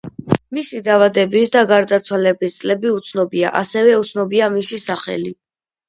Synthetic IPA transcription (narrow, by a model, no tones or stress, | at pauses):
misid̪avad̪ɛbisd̪aɡaɾd̪at̪sʰwalɛbist̪sʼlɛbiut̪sʰnɔbia̰ʔasɛvɛut̪sʰnɔbiamisisaχɛ̰li